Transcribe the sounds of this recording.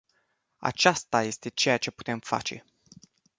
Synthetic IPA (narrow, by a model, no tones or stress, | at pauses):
a̰t͡ʃast̪aje̞st̪e̞t͡ʃe̞jat͡ʃe̞pu̥t̪e̞mfa̰t͡ʃe̞̰